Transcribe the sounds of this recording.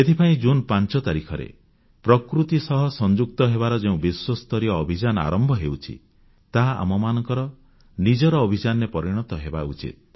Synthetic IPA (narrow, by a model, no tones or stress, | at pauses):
et̪ʰipaĩd͡ʒunpant͡ʃɔt̪aɾikʰɔɾḛ | pɾɔkɾut̪isɔɦɔsɔnd͡ʒuk̚t̪ɔɦeβaɾɔd͡ʒeũbiswɔst̪ɔɾijɔːbʱid͡ʒanɔa̰ɾɔmbʱɔɦewt͡ʃʰḭ | t̪aa̰mɔmanɔŋkɔɾɔ | nid͡ʒɔɾɔːbʱid͡ʒanɔɾepɔɾiɽ̃ɔt̪ɔɦeba̰ṵt͡ʃḭt̪̚